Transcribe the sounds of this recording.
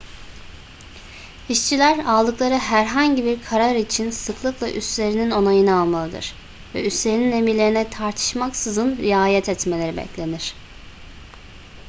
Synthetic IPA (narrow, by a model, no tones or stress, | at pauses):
iʃt͡ʃʰilʲæɾaːlˠɯklˠaɾɯɦæɾɦaɲɟibiɾkʰaɾaɾit͡ʃʰinsɯklˠɯklˠa̰ʔy̰st̪lʲe̞ɾinino̞najɯnɯalˠmalˠɯd̪ɯ̰ɾ̥ | vɛ̰yst̪lʲeɾinine̞milʲe̞ɾinɛt̪ʰaɾt̪ʰɯ̥ʃmaksɯzɯnɾijaːjɛt̪ʰɛt̪melʲe̞ɾibɛ̰clʲe̞niɾ̥